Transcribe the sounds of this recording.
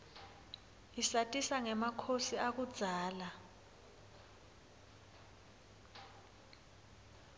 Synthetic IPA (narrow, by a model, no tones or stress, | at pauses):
isatʼisaŋɛmakʰosiak̬ud̥z̥ʱaːla